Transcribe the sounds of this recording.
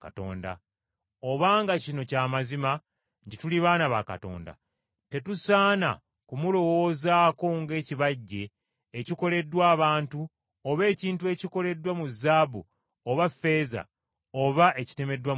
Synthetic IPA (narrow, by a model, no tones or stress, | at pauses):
kato̰ːnda̰ | oβaːŋɡacino̞caːmazima | ntituliβaːnaβaka̰to̞̰ːnda̰ | te̞tusaːna̰ | kumulo̞wo̞ːzaːko̞ŋɡe̞ːciβaɟːe̞ː | ciko̞le̞dːwaːβaːntu | oβe̞ːciːntue̞ciko̞le̞dːwamuzːaːbu | oβafːe̞ːza̰ | o̞βaʔe̞ci̥te̞me̞dːwa